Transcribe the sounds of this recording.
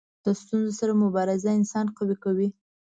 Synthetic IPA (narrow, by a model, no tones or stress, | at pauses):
d̪̥əst̪unzosaɾamʊbɑɾɪzaɪnsɑnqawikawi